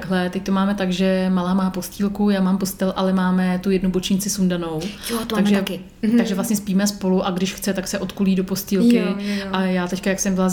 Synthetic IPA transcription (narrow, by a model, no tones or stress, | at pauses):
ɡɦlɛt̪ɛc̚t̪omaːmɛt̪aɡʒɛmalaːmaːpo̞sciːlkujaːmaːmpo̞st̪ɛlʔalɛmaːmɛt̪ujɛdnubo̞t͡ʃɲɪt͡sɪsundano̞wjot̪aɡʒɛkɪ | aɡʒɛvlasɲɛspiːmɛspo̞luʔaɡdɪʃxt͡sɛt̪aksɛʔo̞t̪kuliːdopo̞sciːlkɪʔajaːt̪ɛckajaksɛmbɪlaz